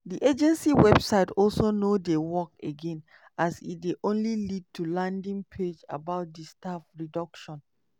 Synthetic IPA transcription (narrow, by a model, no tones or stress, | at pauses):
diʔed͡ʒɛ̃nsiwɛb̥saɪtɔlsonodewɔkḛɡɛ̃n | ʔasḭt̚deʔõnlilid̚tʰulãndĩŋpʰed͡ʒa̰baʊt̚distafɹidɔkʃɔ̃n